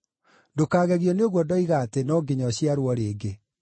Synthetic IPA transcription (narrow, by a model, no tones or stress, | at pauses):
dokaːɣɛɣjɔneoɣwɔdɔiɣatenɔːɡeɲɔɕjiaɾwɔɾeːɡe